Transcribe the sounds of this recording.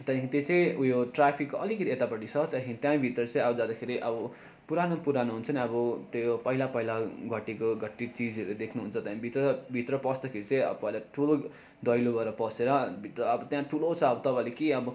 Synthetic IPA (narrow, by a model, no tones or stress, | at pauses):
t̪akʰeit̪et͡sʌĩujoʈrapʰikːoʌlikʌt̪iet̪apʌʈːit͡sʰʌt̪ʌkeɾit̪jãbʱit̪rʌt͡sʌ̃ĩʌbʌd͡zad̪akʰeɾiʔʌbʌ | puɾanopuɾanoɦunt͡sʰʌniʌbʌt̪ojopʌɦilapʌɦilaɡʱʌʈːikoɡʱʌʈːit͡sid͡zʌɾud̪ekʰnuɦunt͡sʰʌt̪jãbʱit̪rʌbʱit̪rʌpʌsd̪akʰeɾit͡sʌ̃ĩʌ̰bpʌɦilaʈʰulo | d̪ʌjlobʱʌɾʌpʌseɾʌbʱit̪rʌʌbʌt̪jãʈʰulot͡sʰʌʌbʌt̪ʌpãjlekiʌbʌ